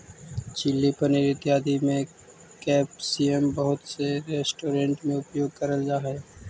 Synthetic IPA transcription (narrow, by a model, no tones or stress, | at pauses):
t͡ʃɪlːipənɪɾɪt̪jaːd̪imẽ | kɛːpsiembəɦʊt̪seɾeːsʈoːɾẽɳʈmẽʊpjoːɡ̚kəɾəld͡ʒaːɦɛː